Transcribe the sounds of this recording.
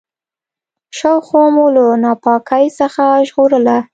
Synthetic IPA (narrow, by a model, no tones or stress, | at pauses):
ʃawxomolənɑpɑkʰajsəxaʒɣoɾəla